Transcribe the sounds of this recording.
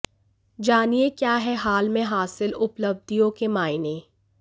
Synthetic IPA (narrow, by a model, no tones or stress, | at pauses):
d͡ʒaːniekjaːɦɛɦaːlmẽɦaːsɪlʊpləb̚d̪ijõkemaːɪne